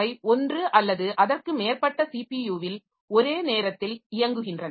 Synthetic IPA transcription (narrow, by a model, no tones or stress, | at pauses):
ɐɪɔndrɯʔɐlːɐðɯʔɐðɐrkɯmeːrpɐʈːɐsiːpijuːʋɪl | ɔɾeːneːɾɐt̪ːɪlɪjɐŋɡɯɣɪndrɐn